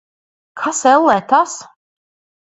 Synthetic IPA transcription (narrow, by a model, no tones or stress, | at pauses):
kʰasɛlːɛt̪ʰas